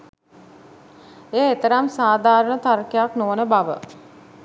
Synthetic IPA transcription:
eːet̪əɾamsaːd̪ʱaːɾəɳət̪aɾkejaknoʋnəbaʋə̰

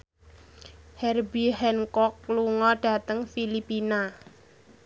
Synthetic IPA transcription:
hɛrbiɦɛnkɔkluŋɔɖ̥a̤t̪əŋfilipina

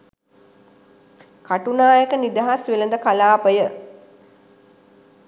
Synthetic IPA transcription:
kaʈunaːjəkənid̪aɦasʋelənd̪əkalaːpəjə

